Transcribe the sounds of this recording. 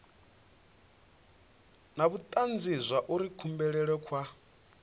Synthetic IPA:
naβut̪ʼand͡zizʷaʔuɾikʰumbɛɺɛɺɛkʰwa

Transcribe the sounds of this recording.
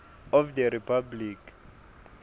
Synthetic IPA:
ɔfdɛɾipʰablik

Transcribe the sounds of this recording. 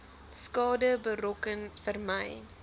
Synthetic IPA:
skɑːdəbərɔkənfərməj

